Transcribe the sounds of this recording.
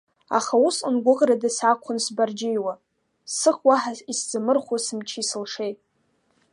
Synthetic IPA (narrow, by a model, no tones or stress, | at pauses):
a̰χausɨnɡʷʊqʼradɨsakʷʰʊnsbard͡ʒɪjwa | sɨχʷwaħaisd͡zɨmɨrχʷosɨmt͡ʃʰiisɨlʂejtʼ